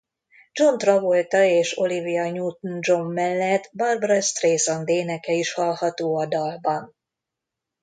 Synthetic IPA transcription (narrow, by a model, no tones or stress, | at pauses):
d͡ʒo̞nt̪rɒvo̞lt̪ɒeːʃo̞livijɒɲuːt̪nd͡ʒo̞mːɛlːɛt̪ːbɒrbɒɾɒst̪reːsond̪eːnɛkɛiʃhɒlhɒt̪oːɒd̪ɒlbɒn